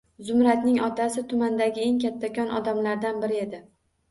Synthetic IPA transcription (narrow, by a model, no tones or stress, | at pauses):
zʊmɾat̪nɪŋɒt̪ʰasɪt̪ʰʊmand̪aɡʲɪe̞ŋkʲʰat̪ʰːakʲɒnʔɒ̰d̪amlaɾd̪anbɪɾɪe̞d̪ɪ